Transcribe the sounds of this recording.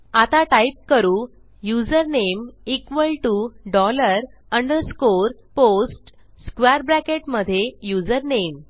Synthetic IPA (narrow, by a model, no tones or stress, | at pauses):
at̪aʈaip̚kəɾuː | jud͡zəɾnemikʋəlʈuɖɔləɾəɳɖəɾskoɾposʈ | skʋaɾbɾækeʈməd̪ʱjejud͡zəɾnem